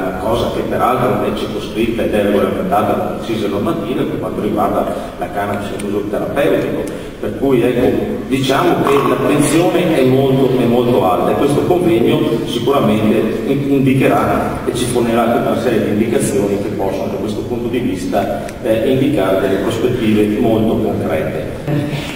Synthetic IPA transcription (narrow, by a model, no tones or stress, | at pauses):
akɔːzak̟epːeɾalt̪ɾoɛt͡ʃikosk̪ɾit̪ːaed̪ɛlɡoɾeament̪aːt̪at͡ʃiːzenormat̪iːveperkwant̪oɾiɡward̪a | lakanab̪iseuzuɾot̪eɾapɛwt̪iko | perkujɛkːod̪it͡ʃaːmokelat̪ːensjoːneɛmːolt̪oɛmːolt̪oalt̪aekwest̪okoɱvɛɲosikuɾament̪e | ind̪ikeɾa | et͡ʃifoneɾat̪ɾut̪aɾasɛːɾjed̪ind̪ikat̪sːjoːnikepːɔsːonod̪akwest̪opunt̪od̪ivist̪a | ind̪ikaːɾed̪elːepɾospet̪ːiːvemolt̪okoŋkɾɛt̪ːe